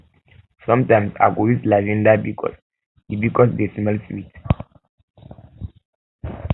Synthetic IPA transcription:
sɔ̃mtãjmsa̰ɡoislad͡ʒĩndabikɔ̰s | dibikɔsdesiməlswit

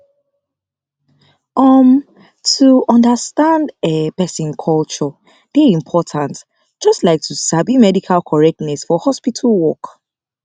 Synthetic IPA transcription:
ɔm | tʰuɔ̃ndəstãndɛpɛsĩnkʰɔlt͡ʃɔ | d̥ɛĩmpʰɔtʰãnt | d͡ʒɔstlaɪk̚tʰusabimɛdikʰalkʰɔɹɛk̚tnɛsfɔhɔspitʰalwɔk

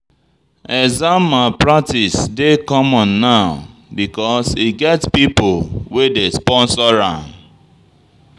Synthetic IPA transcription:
ɛzãmapɹatisdekɔmɔ̃nːaʊbikɔsiɡɛtpipolwedespɔ̃nsɔɹãn

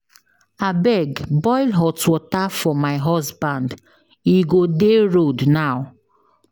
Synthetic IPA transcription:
abɛɡbɔɪlɦɔtwɔtafɔmaɪɦɔsbãnd | iɡodeɹodnaw

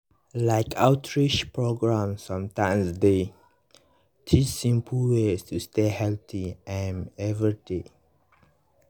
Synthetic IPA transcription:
laɪkʰawtʰɹit͡ʃpɹoɡɹãmsãmtãjmsde | tʰissĩmpʰəlwestustehɛlt̪ʰiɛ̃nɛvɹide

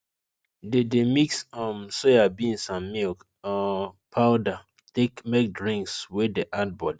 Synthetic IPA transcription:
dedemiksɔmsoabiĩnsãmːilk | ɔpʰaʊda | tekmek̚dɹĩŋkswɪdeʔat̚bɔd

